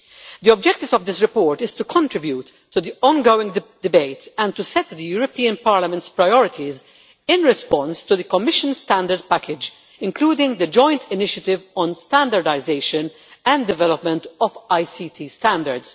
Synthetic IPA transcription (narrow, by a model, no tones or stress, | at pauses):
d̪iɔb̚d͡ʒɛk̚t̪ɪvɔvd̪ɪsɾɪpɔːɹt̪ɪz̥t̪ukʰɔ̃nt̪ɾɪbjut̪ʰːud̪iɔ̃nɡoːɪ̃ŋɡd̥̪ɪbeɪt̪ɛ̃nt̪usɛt̪d̪əjuːɾɔpiːə̃npaːɾlɐmɛ̃ntspɾaɪɔɾɪt̪ʰiz | ɪ̃nɹɛspɔ̃nst̪ud̪əkɔmɪʃə̃nst̪æ̃nd̪əɾd̪̚pækɪd͡ʒ | ɪ̃ŋkluːd̪ɪ̃ŋɡd̪əd͡ʒɔ̃ɪ̃nt̪ʰɪnɪʃət̪ɪvɔ̃nst̪æ̃nd̪əɾdaɪzeɪʃə̃n | æ̃nd̪ɪvɛlɔpmɛ̃nt̪ɔvaɪsit̪ʰist̪æ̃nd̪əɾds